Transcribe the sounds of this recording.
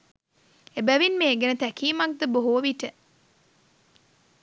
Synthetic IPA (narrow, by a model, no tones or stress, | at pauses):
ebæʋinmeːɡenət̪ækiːmak̚d̪əboɦuʋiʈə